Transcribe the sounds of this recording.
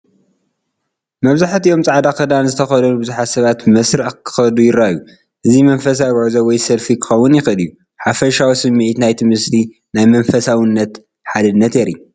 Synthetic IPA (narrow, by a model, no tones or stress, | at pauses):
mɐβzaħt̪ijo̞mt͡sʼaʕd̪akʰɐd̪anzɨt̪ʰɐxɐlɐlubɨzuħat̪sɐβat̪mɐsɾɐʕkʰɨ̥xɐd̪ujɪɾaju | ʔɨzimɐnfɐs̬abʕzɐwɔjsɐlfikʰɨ̥xɐwːʊnjɪxɨlɨjːu | ħafɐʃawisɨmːiʕit̪najt̪ʰɨmɨst̪i | najmɐnfɐsawɨnːɐt̪ | ħad̪ɨnːɐt̪jɛɾḭu